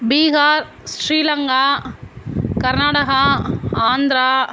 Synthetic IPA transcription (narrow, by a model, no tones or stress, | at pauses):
biːɦaːɾ | sɾiːlɐŋɡaː | kɐɾnaːɽɐɦɐaːnd̪ɾaː